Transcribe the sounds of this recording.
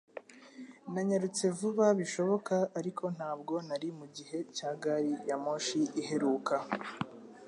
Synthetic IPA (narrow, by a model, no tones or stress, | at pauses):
naɲaɾut͡se̞vuβaβiʃo̞βo̞kaːɾikʰo̞n̥haːbɡo̞naɾimuɟihe̞caːɡaɾijamo̞ʃiʔːɦe̞ɾuːka